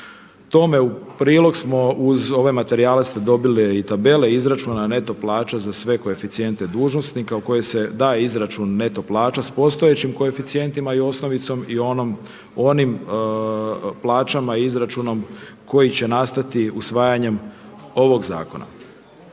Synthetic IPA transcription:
t̪o̞me̞upɾiːlˠo̞ɡsmo̞uzo̞ʋemat̪e̞ɾialest̪ed̪o̞bileit̪abe̞le̞izɾat͡ʃuːnane̞t̪o̞plˠaːt͡ʃazasʋe̞ko̞e̞fit̪sije̞nt̪e̞d̪uːʒno̞snikauko̞jese̞d̪aːjeizɾat͡ʃunːe̞t̪o̞plˠaːt͡ʃaspo̞st̪o̞e̞t͡ɕimko̞e̞fit̪sije̞nt̪imaio̞sno̞ʋit̪so̞mio̞nom | o̞nim | plˠaːt͡ʃamaiizɾat͡ʃuno̞m | ko̞jit͡ɕe̞nast̪at̪iusʋaːjaɲe̞mo̞ʋo̞ɡza̰ːko̞na̰

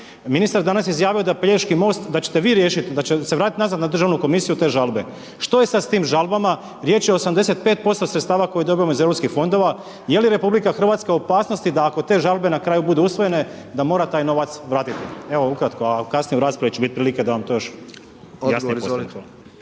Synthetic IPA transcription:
minist̪aɾd̪anasjizjaːʋio̞d̪apʎeʃkimo̞ːst̪d̪at͡ɕet̪e̞ʋiːɾjeːʃit̪d̪at͡ɕeseʋɾaːt̪it̪nazat̪nad̪r̩ʒaʋnuko̞misijut̪e̞ːʒalbe̞ | ʃt̪o̞je̞sad̪st̪iːmʒalˠbama | ɾje̞ːt͡ʃjeoosamd̪e̞se̞t̪̚pe̞ːt̪̚po̞st̪osɾet̪st̪aːʋako̞jed̪o̞bijamoizʋɾopskixfo̞nd̪o̞ʋa | je̞liɾe̞publikaxr̩ʋaːt̪skaopaːsno̞st̪id̪aːko̞t̪e̞ːʒalˠbe̞nakɾaːjubud̪uusʋoje̞ne̞ | d̪amo̞ːɾat̪aːjno̞ʋat̪sʋɾaːt̪it̪ieʋo̞ukɾat̪ko̞akasnijeuɾaːspɾaʋjet͡ɕt͡ʃebit̪̚pɾiliked̪aʋamt̪oːjoʃ | jasizt̪

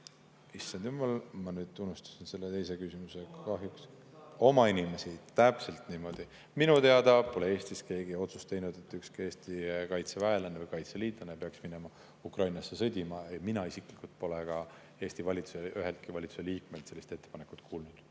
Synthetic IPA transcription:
isːɑnd̪̥jumːɑlmɑnyːd̪̥̚t̪unːust̪u̥sinse̞lːe̞t̪e̞jse̞kysimuse̞kkɑɦjuks | o̞mɑinime̞sit̪æpse̞lt̪niːmo̞d̪̥i | minut̪e̞ɑd̪ɑpo̞lee̞ːst̪iske̞ːɡ̥io̞t̪su̥st̪e̞jnud̪̥e̞t̪ːˑykskie̞ːst̪ikɑjt̪sevæelɑnevəjkɑjt̪seliːd̪lɑnepeɑksmine̞mɑ | ukrɑjnɑsːesɤd̪ʲimɑeminɑisikˑlikult̪̚po̞lekɑ | e̞ːst̪ivɑlʲit̪su̥seʔyɦelt̪̚kivɑlʲit̪su̥se̞liːk̚melt̪se̞lːist̪e̞t̪ːe̞pɑnekːˑu̥t̪ˑkʰuːlnud̪̥

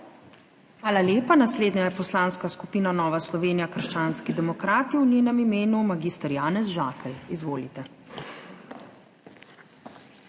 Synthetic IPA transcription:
xʋaːlaljeːpanasleːd̪ɲajɛpɔslaːnskaskupiːnanɔːʋaslɔʋeːnijakəɾʃt͡ʃaːnskid̪ɛmɔkɾaːt̪iwnʲeːnɛmimeːnumaɡiːst̪əɾjaːnɛzʒaːkɛlizʋoːlit̪ɛ

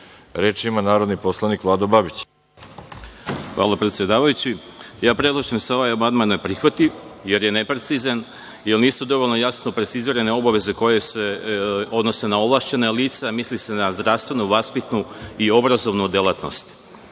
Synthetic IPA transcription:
ɾeːt͡ʃimanaːɾod̪niposlˠanikʋlˠaːd̪obabit͡ɕ | xʋʔa̰ːlˠapɾet̪sje̞d̪aːʋajut͡ɕijaːpɾe̞d̪lˠoʃimso̞ʋajobad̪manojpɾixʋat̪ije̞ɾje̞ne̞pɾe̞t̪siːzan | jelniːsud̪o̞ʋolʲno̞jasnopɾet̪siziːɾe̞ne̞o̞baʋe̞ze̞ko̞je̞seo̞d̪no̞se̞nao̞ʋlˠaʃt͡ɕe̞naliːt̪semislise̞nazd̪ɾaʋst̪ʋe̞nuʋaspit̪nuio̞bɾazo̞ʋnud̪jelat̪no̞̰st̪

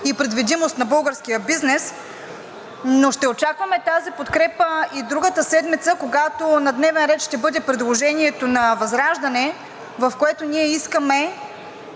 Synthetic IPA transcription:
ipɾɛd̪vid̪imost̪nɐbɤlˠɡəɾsk̟ijəbiznɛs | noʃt̪ɛot͡ʃakvɐmɛt̪azipot̪kɾɛpəid̪ɾuɡət̪əsɛd̪mit̪səkoɡat̪onɐd̪nɛvɛnɾɛt̪ʃt̪ɛbɤd̪ɛpɾɛd̪lˠoʒɛniɛt̪onɐvɐzɾaʒd̪ɐnɛ | vɐfkoɛt̪oniɛiskəmɛ

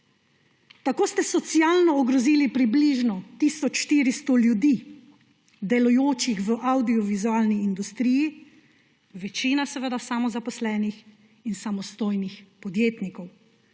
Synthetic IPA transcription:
t̪akoːst̪ɛsɔt̪siaːlnɔɔɡɾɔziːlipɾibliʒnɔt̪isɔt͡ʃʃt̪iːɾist̪oljud̪iː | d̪ɛlujoːt͡ʃixʋəʔawd̪iɔʋizuaːlniːnd̪ust̪ɾiːji | ʋɛt͡ʃiːnasɛʋəd̪asamɔzapɔslɛːnix | insamɔst̪oːjnixpɔd̪jeːt̪nikɔw

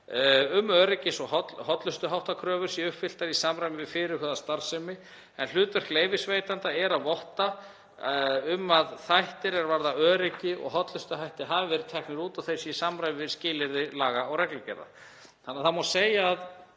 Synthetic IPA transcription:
ʏmœːɾɪcɪsɔɦɔt̪hɔt̪lʏst̪ʏɦawht̪akʰɾœːvʏɾ̥siʏpfɪl̥t̪aɾisaːmɾajmɪvɪðfɪɾɪɾhœːðast̪aɾ̥sɛmɪ | ɛnlʏːt̪vɛr̥kleːjvɪsveːjt̪ant̪aɛɾaðvɔht̪a | ʏmːaðθajht̪ɪɾɛɾvaɾðaœːɾɪcɪɔ̰ɣɦɔt̪lʏst̪ʏɦajht̪ɪɦaːvɪvɛɾɪ̥t̪ʰɛhknɪɾuːt̪awθesjɛsamɾajvɪvɪɾ̥scɪːlɪɾðɪlaːɣaɔɣrɛklʏcɛ̰ɾða̰ | θanaθamaseːjaːð

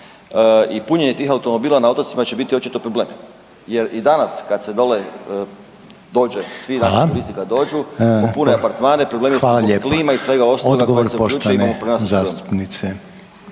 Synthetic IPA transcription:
əipuɲeɲe̞t̪iːxaut̪o̞mo̞biːlanao̞t̪ot̪simat͡ɕe̞bit̪io̞t͡ʃit̪o̞pɾoble̞ːmi | jeɾid̪anaskad̪sed̪ole | d̪o̞ːd͡ʒesʋinaʃuɾist̪ikad̪o̞ːd͡ʒuopuneapaɾt̪maːnepɾoblemiesalaʎkkliːmaisʋe̞ɡaosoɡakɡokːɾseuʎuːt͡ʃueiamopɾenaszast̪u̥pnise

